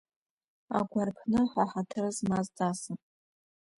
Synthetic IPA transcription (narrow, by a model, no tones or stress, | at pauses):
a̰ɡʷarpʰnɨħʷaħatʰɨrzmazdʼasɨn